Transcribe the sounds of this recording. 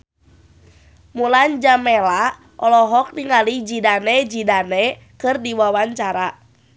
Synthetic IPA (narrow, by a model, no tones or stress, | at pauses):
muland͡ʒamɛla | ʔɔlɔɦɔk̚niŋalid͡ʒidanɛd͡ʒidanɛ | kɨrdiwawaɲt͡ʃaɾa